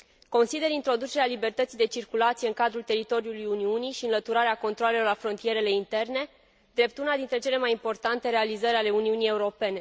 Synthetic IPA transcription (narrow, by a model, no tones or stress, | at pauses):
ko̞nsid̪e̞ɾint̪ɾo̞d̪ut͡ʃe̞ɾealibe̞rt̪ət̪sijd̪e̞t͡ʃirkulat̪sije̞ɨŋkad̪ɾult̪e̞ɾit̪o̞ɾijulujuniuniʃiɨnlət̪uɾaɾeako̞nt̪ɾoale̞lo̞rlafɾo̞nt̪ije̞ɾe̞le̞int̪e̞rne̞ | d̪ɾe̞p̚t̪unad̪int̪ɾe̞t͡ʃe̞le̞majimpo̞rt̪ant̪e̞ɾe̞alizəɾʲale̞uniunije̞uɾo̞pe̞ne̞